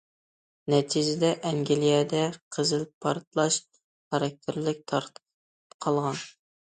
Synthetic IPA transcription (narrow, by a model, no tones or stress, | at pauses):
nɛt̪ʰid͡ʒɪd̪ɛʔɛŋɡʲilijɛd̪ɛqʰəzɨlɪpʰːɑɾt̪lˠɑʃ | χɑɾɑk̚ʲt̪ʰɪɾlɪk̚ʲt̪ʰɑɾt̪ʰ | pqʰɑlˠʁɑn